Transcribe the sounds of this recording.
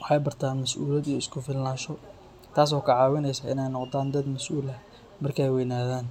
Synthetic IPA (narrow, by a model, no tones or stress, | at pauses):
wɑħɑjbɐrt̪ʰaːnmɐsʔṵːlɐd̪ijɔɪskʰʊfɪlnaːʃɔ | t̪ʰaːs̬ɔːkʰɐʕɑːwɪnɛjsɐʔɪ̰nɛjnɔqd̪aːnd̪ɐd̪mɐsʔuːlɐ | mɐrkʰɛjwɛjnaːðaːn